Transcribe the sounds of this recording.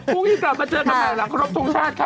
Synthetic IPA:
uː˧ŋniː˥˩kla˨˩p̚maː˧t͡ɕɤː˧kʰa˧naː˨˩la˨˩˦kʰa˧ɾo˦˥p̚t̪ʰo˧ŋt͡ɕʰaː˥˩t̪̚kʰa˧

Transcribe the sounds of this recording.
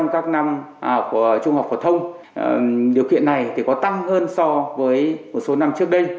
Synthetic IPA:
ŋ͡mkaː˦˥k̚na˧ma˨˩˧t͡ɕʊ˧ŋ͡mhaː˨˩p̚fo˧˩t̪ʰə˧wŋ͡m | ɗi˨˩əkḭ˧˨ənːa˨˩jt̪ʰi˨˩kɔ˨˦t̪a˧ŋhəː˧nsɔ˧vəː˨˦jmo˨˩t̚so˨˦na˧mt͡ɕɨ˦˥ək̚ɗə˧j

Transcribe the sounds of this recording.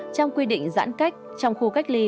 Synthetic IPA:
t͡ɕɔ˧wŋ͡mkwi˧ɗḭ̈˧˨ŋ̟za̰ː˧˥nka˦˥jk̚ | t͡ɕɔ˧wŋ͡mxu˧ka˦˥jk̚li˧

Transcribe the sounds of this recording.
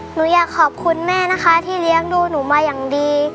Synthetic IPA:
nuː˩˦jaː˨˩kʰːɔː˨˩p̚kʰu˧nmɛː˥˩na˦˥kʰa˦˥t̪ʰiː˥˩li˦˥əŋduː˧nuː˩˦maː˧jaː˨˩ŋdiː˧

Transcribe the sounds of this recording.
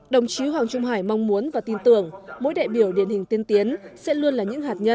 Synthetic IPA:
ɗə˨˩wŋ͡mt͡ɕi˨˦ɦwaː˨˩ŋt͡ɕʊ˧ŋ͡mɦaː˧˩jma˧wŋ͡mmu˨˦ənvaː˨˩t̪i˧nt̪ɨ̰˧˩əŋmo̰˧˥jɗa̰ː˧˨jɓi˧˩əwɗi˧˩ənhï˨˩ŋ̟t̪i˧nt̪i˨˦ənsɛ̰˧˥lu˧ənlaː˨˩ɲɨ̰˧˥ŋhaː˨˩t̚ɲə˧

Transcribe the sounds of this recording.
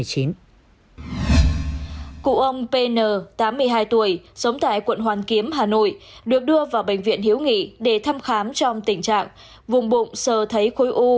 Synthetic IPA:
jt͡ɕi˨˦n | kṵ˧˨ʔə˧wŋ͡mpe˧nəː˨˩t̪aː˨˦mːɨ˧əjɦaː˧jt̪u˧˩əjsə˨˦wŋ͡mt̪a̰ː˧˨jkwə̰˧˨nhwaː˨˩nki˨˦əmɦaː˨˩no̰˧˨j | ɗɨ˨˩ək̚ɗɨ˧əvaː˨˩wɓë˧˩jŋ̟vḭ˧˨ənhi˨˦əwŋḭ˧˨ɗe˧˩t̪ʰa˧mxaː˨˦mt͡ɕɔ˧wŋ͡mt̪ï˧˩ŋ̟t͡ɕa̰ː˧˨ŋ | vʊ˨˩ŋ͡mɓʊ̰˧˨ŋ͡msəː˨˩t̪ʰə˨˦jxo˨˦jʔu˧

